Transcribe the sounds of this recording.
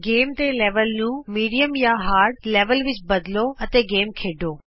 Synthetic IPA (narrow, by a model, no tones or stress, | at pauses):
ɡeːmt̪elɛːʋəlnũːmiːɖijəmjaɦaːɾɖlɛːʋəlʋɪt͡ʃbɐd̪loːɐt̪eːɡeːmkʰeːɖʱoː